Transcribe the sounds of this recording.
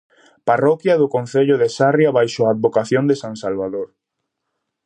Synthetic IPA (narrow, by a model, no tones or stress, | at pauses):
parɔkjaðʊkon̟θeʎʊðesarjaβajʃoaːd̪̚βokaθjond̪esãŋsalβaðoɾ